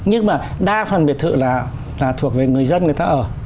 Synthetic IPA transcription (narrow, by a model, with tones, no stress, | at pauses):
ɲɨ˧ŋmaː˨˩ | ɗaː˧fəaː˨˩nɓi˨˩ət̚t̪ʰɨ̰˧˨laː˨˩ | laː˨˩t̪ʰu˨˩ək̚ve˨˩ŋɨ˨˩əjzə˧nŋɨ˨˩jt̪aː˧ʔəː˨˩